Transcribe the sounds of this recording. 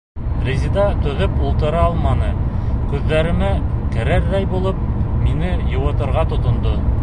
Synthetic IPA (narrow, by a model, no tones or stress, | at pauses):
rʲezʲid̪ɑt̪ɵ̆ðɵpulˠt̪ɤ̆ɾɑɑlˠmɑnɤkʉðːæɾɘ̆mækɘ̆ɾæɾːæjbulˠɤp̚minɘjŏwɤ̆t̪ɤ̆ɾʁɑt̪ŏt̪ŏnd̪o